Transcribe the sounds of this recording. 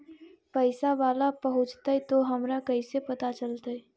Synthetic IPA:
pəɪsaʋaːlapəɦʊ̃t͡ʃt̪aɛt̪oɦɐmɾakɐisepɐt̪at͡ʃəlt̪aɦɛ

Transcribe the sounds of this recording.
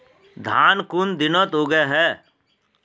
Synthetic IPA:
d̪ʱaːnkʊnd̪ɪnət̪oːɡɛɦɛː

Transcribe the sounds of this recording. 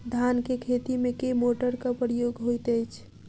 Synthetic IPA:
d̪ʱankekʰet̪imekemoʈəɾkapɾəjoɡɦojt̪əjt͡ʃʰ

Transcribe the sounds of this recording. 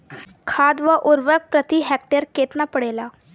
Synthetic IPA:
kʰad̪ʋəʔuɾʋək̚pɾət̪iɦɛk̚ʈəɾket̪napəɽela

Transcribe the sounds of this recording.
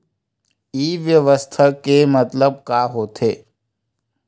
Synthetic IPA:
iːʋjəʋəst̪ʰəkemət̪ləb̚kaːɦoːt̪ʰeː

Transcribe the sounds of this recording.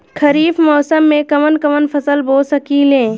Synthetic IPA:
kʰɐɾiːfmɔːsəmːẽkɐmənkɐmənpʰɐsəlboːsɐkiːlẽː

